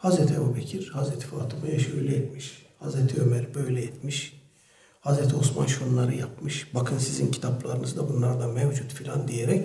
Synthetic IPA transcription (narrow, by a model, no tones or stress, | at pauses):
hazɾɛt̪ʰiebubɛcʰiɾhazɾɛt̪ʰi̥faːt̪ʰɯmɯjaʃɯøjlʲɛjɛt̪miʃhazɾɛt̪ʰiømæɾbø̞jlʲɛjɛt̪miʃ | hazɾɛt̪ʰiosma̰nʃonlˠaɾɯjapmɯʃbakʰɯnsizincʰi̥t̪ʰaplˠa̰ɾɯnɯzd̪abunlˠaɾad̪amɛvd͡ʒut̪filʲand̪ijeɾɛc